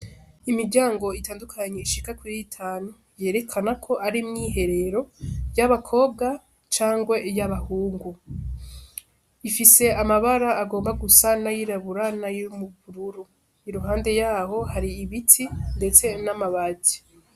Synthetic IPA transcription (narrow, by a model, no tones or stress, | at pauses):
imiɾɟaːŋɡo̞itaːndukʰaɲe̞iʃi̥kakwiɾitʰaːnu | je̞ːɾe̞kʰanakʰo̞ʔaɾimŋiːɦe̞ɾe̞ɾo̞jaβakʰo̞ːbɡa | t͡ʃaːŋɡwe̞jaβahuːŋɡu | ifise̞amaβaɾaːɡo̞ːmbaɡusanajiɾaβuɾanajiumuβuɾuɾu | iɾuɦaːnde̞jaːho̞haɾiːβitʰinde̞t͡se̞namaβati̥